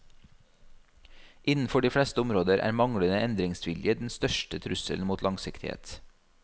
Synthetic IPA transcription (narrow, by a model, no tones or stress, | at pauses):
ʔɪnn̩fɔɖiːfɽɛst̪əʊmɾoːd̪əɾʔæ̰ːɾmɑŋɽənəʔɛnd̪ɾɪŋsʋɪljəd̪ɛn̩st̪œʃʈət̪ʰɾʉsə̰ln̩muːt̪lɑŋsɪkt̪ɪhḛːt̪